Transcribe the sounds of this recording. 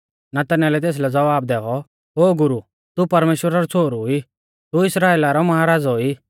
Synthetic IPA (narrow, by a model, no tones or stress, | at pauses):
nat̪ɐnalɛt̪eːs̬lɛd͡zɐʋaːb̚d̪ɛːɔ | ɦoːɡʊɾu | t̪upɐɾmeːʃwəɾaɾɔt͡sʰoːɾui | t̪uɪsɾaːeːlaɾɔmɐɦaːɾaːd͡zɔi